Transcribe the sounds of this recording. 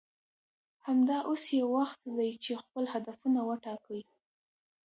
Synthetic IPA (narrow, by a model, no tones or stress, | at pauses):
hamd̪ɑʔosjewaxt̪d̪ajt͡ʃexpəlhad̪afunawəʈɑkəj